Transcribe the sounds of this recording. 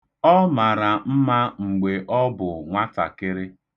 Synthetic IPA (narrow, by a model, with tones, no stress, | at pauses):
ɔ˦ma˨ɾa˨m̩˦ma˦ŋ͡m̩˨ɡ͡be˨ʔɔ˦bʊ˨ŋʷa˦ta̰˨kɪ˦ɾɪ˦